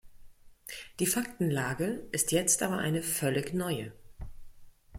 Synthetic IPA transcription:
d̥iːfak̚tn̩laːɡəʔɪstʰjɛt͡stʔaːbɐʔa̰ɪnəfœlɪçnɔʏə

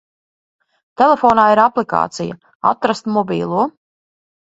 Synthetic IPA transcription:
t̪ɛlefɔːnaːiɾaplika̰ːt̪sija̰ | a̰t̪ɾast̪mɔbʲḭːlˠuɔ

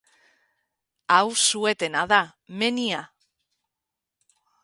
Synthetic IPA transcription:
awsue̞t̪e̞naðame̞nia

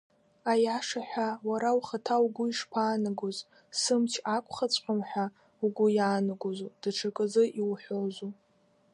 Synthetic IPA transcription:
ajaʂaħʷᶣawaɾawχatʰauɡʷʊiʂpʰaːnɨɡoz | sɨmt͡ʃʰakʷʰʼχat͡sʷʰʼħʲʷʼamħʷᶣa | uɡʷʊjaːnɨɡozud̥aʈ͡ʂʰakʼɨzɨʔiwħʷozu

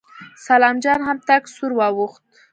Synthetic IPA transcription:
salɑmd͡ʒɑnɦamt̪aksuɾwɑwuxt̪̚

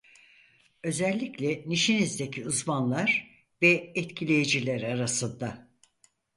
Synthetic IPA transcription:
ø̞zɛlʲːiclʲɛniʃinizd̪e̞cʰiuzmanlˠaɾ | vɛɛt̪cʰilʲejed͡ʒilʲæɾaɾasɯnd̪a

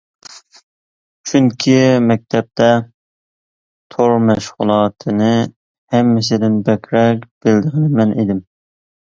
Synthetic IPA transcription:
t͡ʃʰyŋkʲʰimɛk̚ʲt̪ʰɛp̚t̪ʰɛ | t̪ʰoɾmɛʃʁʊ̰lˠɑt̪ʰɨnɨ | hɛmːɪs̬ɪd̪ɪnbɛkʲʰɾɛk̚ʲb̥ɪld̪əʁənɨmɛnʔed̪ɪm

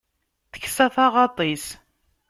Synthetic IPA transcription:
θə̥çːsæθɑʁɑt̪ˤis

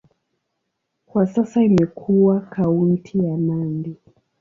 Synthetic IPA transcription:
kwasasaimɛkʰuwakʰauntʰijamandi

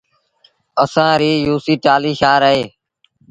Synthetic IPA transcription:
əsãːɾiːjuːsiːʈaːliːʃaːɾəɦeː

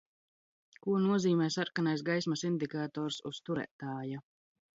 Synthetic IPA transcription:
kuɔnuɔziːmɛːsaɾkanajs̬ɡajsmasind̪ikaːt̪ɔːɾsṵst̪uɾæ̰ːt̪aːja

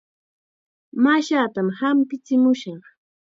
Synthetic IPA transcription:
maʃaːt̪amhampɪt͡sɪmʊʃɑχ

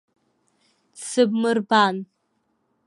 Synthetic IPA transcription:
sɨbmɨrban

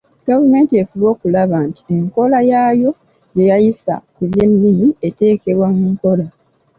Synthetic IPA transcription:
ɡ̥avume̞ːntie̞fuβo̞ːkulaβanti̥e̞ŋko̞lajaːjo̞ | je̞jajisa̰kuβje̞nːimie̞te̞ːke̞βwamuŋko̞la

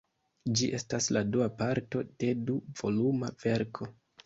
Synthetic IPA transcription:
d͡ʒiʔe̞stasladuapaɾto̞d̥e̞duv̥o̞lumav̥e̞ɾkʰo̞

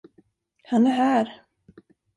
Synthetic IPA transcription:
hanæɦæːɾ

